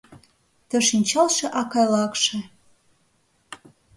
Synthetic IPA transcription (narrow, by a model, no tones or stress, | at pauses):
t̪ə̆ʃinʲt͡ɕɑlʃĕʔɑkɑjlˠɑkʃe